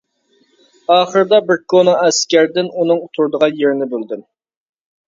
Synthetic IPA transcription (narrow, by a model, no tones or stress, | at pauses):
ɑːχəɾɨd̪ɑbɪɾkʰonɑɛskʲæɾd̪ɪnunɨŋut̪ʰuɾd̪əʁɑnjeɾnɪbøld̪ɪm